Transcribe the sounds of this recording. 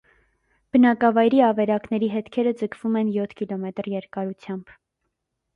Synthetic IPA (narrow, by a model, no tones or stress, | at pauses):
b̥ənɑkɑvɑjɾiɑvɛɾɑknɛɾiɦɛt̪kʰɛɾəd͡zəkʰv̥umɛnjɔt̪ʰkilɔmɛt̪ɾjɛɾkɑɾut͡sʰjɑmb̥